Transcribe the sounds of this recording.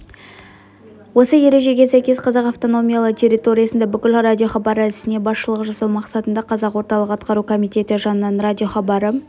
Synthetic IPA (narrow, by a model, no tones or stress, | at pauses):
wo̞səje̞ɾe̞ʒe̞ɡʲe̞sæjkʲe̞sqʰɑzɑqɑft̪o̞no̞mʲijalˠəqt̪ʲʰe̞ɾʲit̪o̞ɾʲijɑsənd̪ɑbʏkʲɪlradʲijo̞χɑbɑɾəælɪsɪne̞bɑsʃəlˠəqʒɑsɑwmɑqsɑt̪ənd̪ɑqʰɑzɑqwo̞ɾt̪ɑlˠəqɑt̪̚qɑɾukʰo̞mijt̪e̞t̪ɪʒɑnənɑnrad̪ʲijo̞χɑbɑɾə